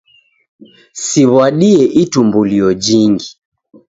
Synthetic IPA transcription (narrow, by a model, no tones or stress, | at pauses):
siβwaɗiɛʔitumbuliɔd͡ʒiŋɡi